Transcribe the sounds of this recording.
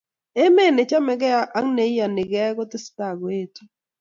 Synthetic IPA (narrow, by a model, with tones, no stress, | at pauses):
e˦me˦˨ne˨t͡ʃa˦mɛ˦ɡɛ˦a˦ʔa˦ŋne˨˦i˦ja˨nɪ˨ɡɛ˦ɡɔ˦tɪ˦sta˨ɡe˦˨to˦